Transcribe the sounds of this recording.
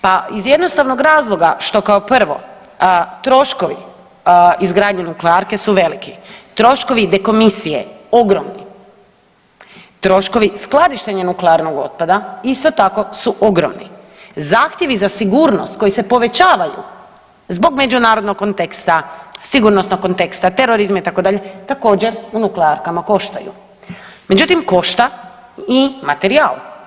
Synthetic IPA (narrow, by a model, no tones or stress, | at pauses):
paizje̞d̪nost̪aʋno̞ɡɾaːzlˠo̞ɡaʃt̪o̞kaopr̩ʋo̞̰ | t̪ɾo̞ʃko̞ʋḭ | izɡɾaːd̪ɲenukleaɾke̞suʋe̞likit̪ɾo̞ʃko̞ʋid̪eko̞misijḛo̞ɡɾomni | t̪ɾo̞ʃko̞ʋisklad̪iʃt̪e̞ɲenukleaɾno̞ɡo̞̰t̪̚pad̪aist̪o̞t̪ako̞suʔo̞ɡɾo̰mnḭ | zaːxt̪je̞ʋizasiɡuːɾno̞̰st̪̚ko̞jise̞po̞ʋe̞t͡ɕaːʋajṵ | zbo̞ɡme̞d͡ʑunaːɾod̪nokkont̪ekst̪asiɡuɾnosnokko̞nt̪e̞kst̪at̪e̞ɾo̞ɾizmait̪akod̪aʎe̞t̪ako̞ːd͡ʑe̞ɾunukleaɾkamako̞ʃt̪a̰jṵ | me̞d͡ʑut̪imko̞ʃt̪a | imat̪e̞ɾiaːl